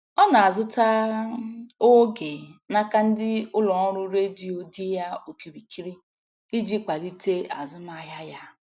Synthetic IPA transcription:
ɔ˦na˨a˨zʊ˦ta˦ | o˦ɡe˨na˦ka˦n̩˦dɪ˦ʊ˦lɔ˨ɔ˦ɾʊ˦ɾe˦di˦o˦di˦ja˦o˨ki˨ɾi˨ki˦ɾi˦ | i˦d͡ʒi˦kʷa˨di˦te˦a˨zʊ˦ma˦ɦa˦ja˦

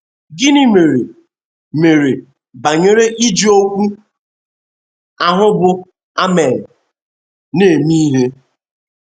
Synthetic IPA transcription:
ɡɪ˦nɪ˦me˨ɾe˨ | me˨ɾe˨ | ba˨ɲe˦ɾe˦ʔi˦d͡ʒi˦o˦kʷu˦ | a˨ɦʊ˦bʊ˨ | a˦me˨n˨ | ne˦˨mi˦ɦe˦

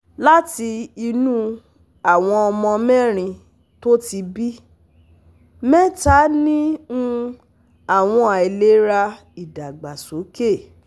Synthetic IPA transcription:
la˦ti˧i˧nũ˦ | a˨w̃ɔ̃˧ɔ˧mɔ̃˧mɛ˦˨ɾ̃ĩ˧ | to˦ti˧bi˦ | mɛ˦ta˨˦nĩ˦ũ˦ | a˦˨w̃ɔ̃˧a˨e˨le˦ɾa˧ | i˨da˨ɡ͡ba˨so˨˦ke˦˨

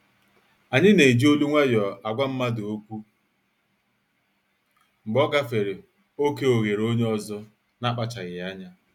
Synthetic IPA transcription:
a˨ɲɪ˦ne˨i˨d͡ʒi˦o˦lu˦ŋʷa˦jɔ˨a˨ɡʷa˦m̩˦ma˦do˦kʷu˦ | ŋ͡m̩˨ɡ͡bɔ˦ɡa˦fe˨ɾe˨ | o˦ke˦o˨ɣe˨ɾo˦ɲe˦ɔ˦zʊ˦ | na˦k͡pa˨t͡ʃa˨ɣɪ˨ja˦ɲa˦

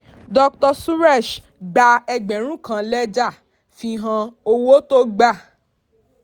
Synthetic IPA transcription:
dɔ˧ktɔ˧su˦ɾɛ˦˨ʃ | ɡ͡ba˧ɛ˧ɡ͡bɛ˨ɾ̃ũ˦kã˧˨lɛ˦d͡ʒa˦˨ | fi˧ɦã˧o˧wo˦to˦ɡ͡ba˦˨

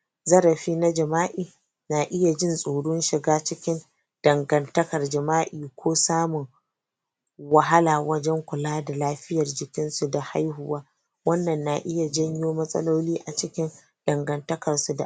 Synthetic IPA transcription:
zɐ˦ɾɐ˨ɸiː˦na˦d͡ʒɐ˨maː˦ʔiː˨ | naː˨ʔɪ˦ja˨d͡ʒɪ˦nsʼoː˨ɽʊ˦nʃɪ˨ɡaː˦t͡ʃɪ˦kʲɪ˦n | d̥ɐ˨ŋɡɐ˨ntɐ˦kɐ˨rd͡ʒɐ˨maː˦ʔiː˨kʷʰoː˦saː˦mʊ˨ŋ | wɐ˨ɦa˦laː˨wɐ˦d͡ʒɛ˦ŋkʷʊ˨laː˦da˨laː˦ɸɪ˦jɐ˨rd͡ʒɪ˨kʲɪ˦nsu˨da˨ha˦jhʊ˨waː˦ | wɐ˦nːɐ˨nːa˨ʔɪ˦ja˨d͡ʒɐ˦ɲjoː˦mɐ˦sʼɐ̰˦loː˦liː˦ʔa˨t͡ʃɪ˦kʲɪ˦n | d̥ɐ˨ŋɡɐ˨ntɐ˦kɐ˨rsu˨da̰˨

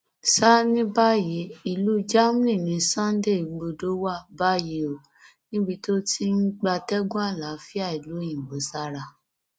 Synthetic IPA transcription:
sa˦nĩ˦ba˦ji˨˦i˧lu˦d͡ʒa˦m˦ĩ˦˨nĩ˨˧sã˦n˦de˦˨i˨ɡ͡bo˧do˦wa˦˨ba˦ji˨˦o˨ | nĩ˦bi˧to˦tʰi˦n̩˦ɡ͡ba˧tɛ˦ɡũ˦a˦˨la˨˦fi˦a˦˨i˨lo˨˦jĩ˦˨ɡ͡bo˨˦sa˦ɾa˧˨

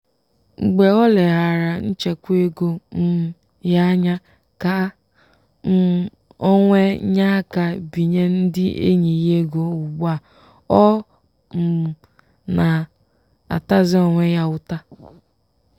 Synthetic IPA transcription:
ŋ͡m̩˨ɡ͡be˨ɔ˦le˨ɦa˨ɾa˨n̩˦t͡ʃe˨kʷe˦ɡo˦m̩˦ | ja˦ɲa˦ | ka˨˦ | o˦ŋʷe˦ɲa˦ka˨bi˨ɲe˦n̩˦dɪ˦ḛ˦ɲi˨je˦ɡo˨u˨ɡ͡ba˦˨ | ɔ˦ | m̩˨ | na˨ | a̰˨ta˦zɪ˦ɔ˨ŋʷe˦ja˦ʊ˦ta˦

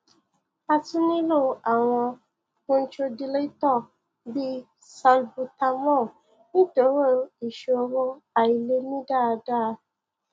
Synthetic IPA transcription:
a˦tʊ˦nɪ˦lʊ˦˨a˨ŋɔ˧ | kʊ˦n̩˦t͡ʃo˦di˨le˦tɔ˦˨ | bi˦ | sa˨lbu˨ta˨mɔ˦˨ | ni˦to˨˦wo˦i˨ʃu˨o˨ɾo˦a˨i˨le˦mĩ˦da˦˨da˦˨

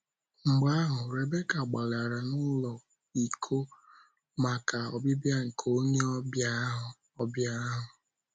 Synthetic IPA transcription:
ŋ͡m̩˨ɡ͡ba˦ɦʊ˨ɾe˨be˦ka˨ɡ͡ba˨la˨ɾa˨nʊ˦lɔ˨ | i˨kʰo˦ | ma˨ka˨ɔ˨bɪ˦bja˦ŋ̩˨kʰo˦ɲe˦ba˦ɦʊ˨ | ɔ˦bja˦ɦʊ˨

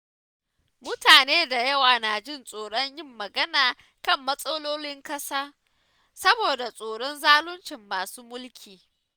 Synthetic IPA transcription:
mʊ˦taː˨neː˦da˨jɐ˦waː˨na˨d͡ʒɪ˦˨nsʼoː˨ɽɔ˦ɲjɪ˦mːɐ˨ɡɐ˦naː˨ | kɐ˦˨mːɐ˦sʼɐ˦loː˦lɪ˦ŋkɐ˦saː˦ | sɐ˦boː˨da˨sʼoː˨ɽɔ˦nzaː˦lʊ˦nt͡ʃɪ˨mːaː˨suː˦mʊ˦lkʲʰiː˨

